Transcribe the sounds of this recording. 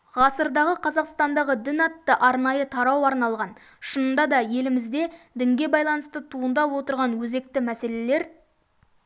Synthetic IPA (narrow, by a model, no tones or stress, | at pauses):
ʁɑsəɾd̪ɑʁəqʰɑzɑqst̪ɑnd̪ɑʁəd̪ɪnɑt̪ːəʔɑɾnɑjət̪ʰɑɾɑwɑɾnɑlˠʁɑn | ʃənənd̪ɑd̪ɑje̞lɪmɪzd̪e̞d̪ɪŋɡʲe̞bɑjlˠɑnəst̪ət̪ʰuənd̪ɑpwo̞t̪əɾʁɑnwɵze̞k̚t̪ɪmæse̞le̞le̞ɾ